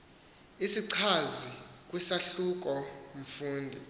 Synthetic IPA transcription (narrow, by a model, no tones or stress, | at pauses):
isiǀʰazik̬ʼwisaɬuk̬ʼɔɱ̩fuːndʱḭ